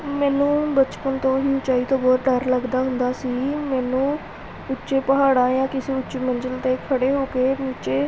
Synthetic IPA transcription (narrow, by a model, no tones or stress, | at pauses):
mɛːnũːbət͡ʃpənt̪õːɦiːʊt͡ʃaːiːt̪õːbɔːt̪ɖəɾləɡd̪aːɦʊ̃nd̪aːsiːmɛːnũː | ʊtːʃeːpəɦaːɽãːjãːkɪseːʊt͡ʃeːməɲd͡ʒəlt̪eːkʰəɽeːɦoːkeːmit͡ʃeː